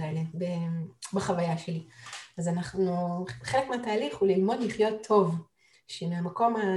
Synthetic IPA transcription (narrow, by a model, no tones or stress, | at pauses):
elebebeχavajaʃeliazanaχnuχelekmeataːliχulilmo̞d̪liχjo̞t̪ʰːo̞v | ʃemiamako̞ma